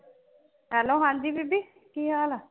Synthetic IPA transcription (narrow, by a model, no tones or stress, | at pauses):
ɦɛːloːɦãnd̪iːbibiː | kiːɦaːla